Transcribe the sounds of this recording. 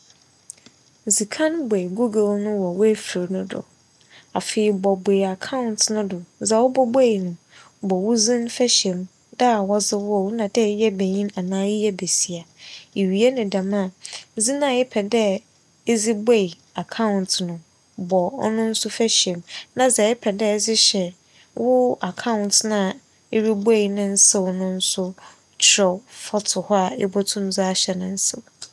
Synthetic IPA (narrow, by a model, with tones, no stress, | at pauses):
zi˨kʰã˦nbɛ˨ɡu˦ɡɛ˦lnʊ̃˦wɔ˨wʊ˦æ˦fi˨ɾnʊ̃˦dʊ̰˨ | a˨fe˨ɪ˨bɔ˨be˨ja˨kʰã˦ʊ̃˨ntnʊ̃˦dʊ˨˦za˨wɔ˦bɔ˦be˦i˨nʊ̃˨ | bɔ˨wʊ˦zĩ˦n˦fɛ˦ɕɛ̃˨m | da˦˨wɔ˦zɪ˦wɔ˦˨wnã˨dɛ˦˨˦jɛ˦be˨ɲĩ˦na˨nãː˦jɪ˦jɛ˦be˨si˨a˨e˨ɥi˨e˦nʊ̃˨da˨mã˦˨˦zi˦nã˨jɪ˦pʰɛ˨dɛ˦ | e˦zɪ˦be˦˨i˨ | a˨kʰã˦ʊ̃˨ntʰnʊ̃˨ | bɔ˨ɔ̰˦nʊ̃˦n̩˦sʊ˦fæ˦ɕɛ̃˨mnã˨zɛ˨ɪ˦pʰɛ˨dɛ˦zɪ˦ɕɛ˨ | wʊ˦a˨kʰã˦ʊ̃˨ntnã˨ | e˦ɾi˦be˦i˨nʊ̃˦n̩˦sɛ˦wʊ˨nʊ̃˦n̩˦sʊ˦ | t͡ʃʰɾɔ˨fɔ˦tʰʊ˨hɔ˦a˨ɪ̰˦bɔ˦tʰʊ̃˦m˦za˦a˦ɕɛ˨nʊ̃˦n̩˦sɛ˨